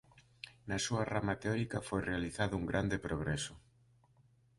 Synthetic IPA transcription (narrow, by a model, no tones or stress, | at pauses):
nɐsuaramat̪eɔɾikɐfojrealiθaðouŋɡɾʔand̪epɾoɣɾɛsʊ